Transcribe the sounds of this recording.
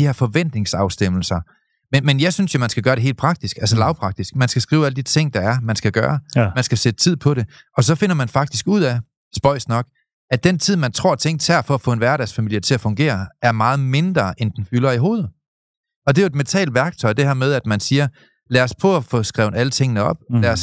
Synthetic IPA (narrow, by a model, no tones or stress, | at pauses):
dihɛɐ̰fɒ̽ʋen̰d̥ne̝ŋsɑ̈ʊsd̥em̰l̩sɐ | menmenjɑ̈ɪsynsjo̝mænsɡ̥æɡ̥ɶːɐɾe̝ɦḛːl̥pʰʁɑ̈ɡ̥d̥isɡ̥ælsəlɑ̈ʊpʰʁɑ̈ɡ̥̚d̥isɡ̥mænsɡ̥æsɡ̥ʁḭːʊæləd̥it͡sʰe̝ŋ̰d̥ɑ̈æɐmænsɡ̥æɡ̥ɶːɐmænsɡ̥æsed̥ət͡sʰið̰ˠpʰɒ̽ɾe̝ | ɒ̽sɒ̽fe̝n̰ɐmænfɑ̈ɡ̥d̥isɡ̥uð̰ˠæ | sb̥ɒ̽ɪ̰snɒ̽ɡ̥ | æd̥ent͡sʰið̞̰ˠmænt͡sʰʁo̝̰ɐ̰t͡sʰeŋ̰t͡sʰæɐfɒ̽æfɔ̰̽ːe̝nʋæɐɾæɐsfæmil̰jɐt͡sʰe̝æfɔ̽ŋɡ̥e̝̰ːɐæɐmɑ̈ːð̞̩ˠme̝nd̥ʁɐʔend̥en̩fylɐiɦo̝ːð̞̩ˠ | ɒ̽d̥e̝jo̝e̝d̥ment͡sʰɛ̰ːldʋæɐɡ̥̚t͡sʰɒ̽ɪd̥e̝hæɐmeð̞ˠæd̥mænsiːɐ | læːɐspʰɔ̽æfɔ̽ːsɡ̥ʁɛʊnælət͡sʰe̝ŋ̰nəɒ̽b̥læɐs